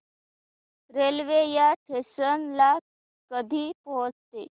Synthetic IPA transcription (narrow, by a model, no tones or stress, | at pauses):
ɾelʋejaʈʰesənla | kəd̪ʱiːpod͡zt̪ḛ